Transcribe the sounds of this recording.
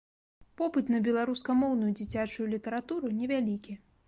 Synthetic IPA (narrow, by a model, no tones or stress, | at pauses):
pɔpɨt̪nɐbʲɛlˠaɾuskɐmɔwnujud͡zʲit͡sʲat͡ʂujulʲit̪ɐɾat̪uɾunʲɛvʲalʲikʲi